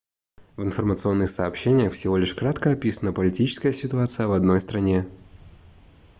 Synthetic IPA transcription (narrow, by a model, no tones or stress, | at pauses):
vɪnfərmət̪sɨo̞nːɨxsɐːpɕenʲɪjəxfsʲɪvo̞lʲɪʂkɾat̪kəɐpʲisənəpəlʲɪtʲit͡ɕɪ̥skəjəsʲɪt̪ʊat̪sɨjəvɐd̪no̞jst̪ɾɐnʲe